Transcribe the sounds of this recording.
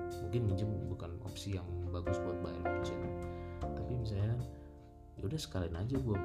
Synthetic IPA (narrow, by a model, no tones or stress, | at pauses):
muŋkɪnmiɲd͡ʒəmbukano̰psijaŋbaɡʊsbuat̪̚baɛlaɡusinut̪apimis̬alɲa | udahsə̥kalɪnad͡ʒaɡua